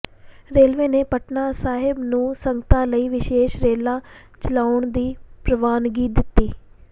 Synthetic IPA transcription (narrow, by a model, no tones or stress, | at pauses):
ɾeːlʋẽːneːpəʈnaːsaːɦɪbnũːsəŋɡət̪ãːləiːʋɪʃeːʃɾeːlãː | t͡ʃəlaːʊɳd̪iːpɾəʋaːnɡiːd̪ɪt̪ːiː